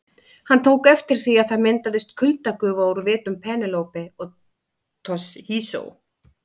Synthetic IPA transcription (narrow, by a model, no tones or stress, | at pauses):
hant̪ʰoːwkɛft̪ɪɾ̥θiaðθaðmɛnt̪aðɪst̪̚kʰʏlt̪akʏːvaɾɾvɪːt̪nʏmpʰɛːnɪlowpɪɔɣ | t̪ʰɔshiːso̰w